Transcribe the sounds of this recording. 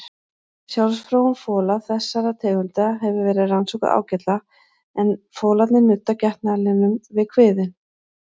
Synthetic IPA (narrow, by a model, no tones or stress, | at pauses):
sjawlsfɾowʏnfɔːlaθɛsːaɾat̪ʰɛːɣʏnt̪ɪɦɛvɪvɛːɾɪðransɔwkʏða̰ːwcɛt̪la | ɛnfoːlat̪nɪnʏt̪ːacɛht̪nalɪnʏmvɪðkʰvɪːðɪn